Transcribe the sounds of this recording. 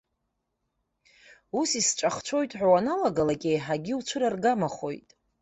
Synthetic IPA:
usisʈ͡ʂʷʼaχt͡ʃʷʰo̞jtʼħʷᶣawanaloɡalakʲʼejħaɡʲiut͡ʃʷʰɨɾarɡamaχo̞̰jtʼ

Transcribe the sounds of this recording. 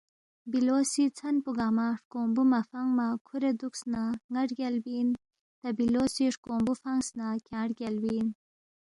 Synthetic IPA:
bilosit͡sʰanpuɡaːmaʂkoːmbumafaŋmakʰuɾed̪uksnaŋaʈɡʲalbin | t̪abiloːsiʂkombufaŋsnakʲʰãːɽɡʲalbin

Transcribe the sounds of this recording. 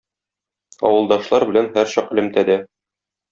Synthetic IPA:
ɒ̰wɤ̆lˠd̪ɑʃlˠɑɾbɘ̆lænhæɾɕɒqɘ̆lɘ̆mt̪æd̪æ

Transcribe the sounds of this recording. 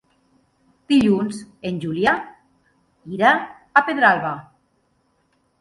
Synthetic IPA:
d̪̥iʎunzenʲʒulja | iɾaː | peðɾalβa

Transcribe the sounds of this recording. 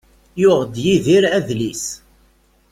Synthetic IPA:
jʊʁəd̪jiðiɾæðlis

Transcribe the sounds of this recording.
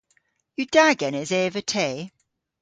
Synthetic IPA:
jəd̥aɡɛnɪzeːvətʰeɪ

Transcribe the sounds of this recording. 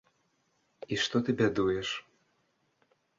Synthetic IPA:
iʂt̪ɔt̪ɨbʲɛd̪ujɛʂ

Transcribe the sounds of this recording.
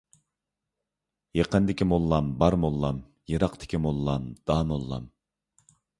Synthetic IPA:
jeqənd̪ɪkʲimolˠːɑmbɑɾmolˠːɑm | jɨɾɑqt̪ʰɪ̥kʲʰimolˠːɑmd̪̥ɑːmolˠːɑ̰m

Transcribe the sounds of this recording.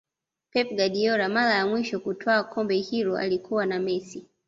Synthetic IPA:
pɛpɡaɗiɔɾamaɾajamwiʃɔkutʰaakʰɔmbɛhiɾɔa̰likʰuwanamɛsi

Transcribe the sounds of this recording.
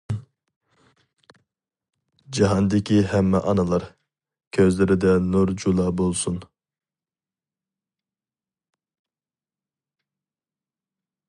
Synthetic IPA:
d͡ʒɑɦɑnd̪ɪkʰʲihɛmːɛʔɑnɑlˠɑɾ | kʲʰøzlɪɾɪd̪ɛnuɾd͡ʒulˠɑːbolˠsun

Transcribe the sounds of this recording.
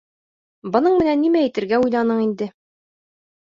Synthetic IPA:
bɤ̆nɤɴmɘ̆nænːimæɘt̪ɘ̆ɾɡæujlˠɑnɤɴind̪ɘ

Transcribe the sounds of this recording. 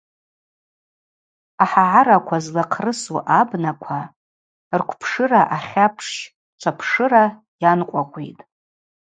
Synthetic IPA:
aħaʕaɾakʷʰazlaqʰrɨsuʔabnakʷʰa | rkʷʰpʰʂɨraʔaχʲapʰʂʃ | t͡ʃʷʰapʰʂɨɾa | janqʷʼaqʷʰʼḭtʼ

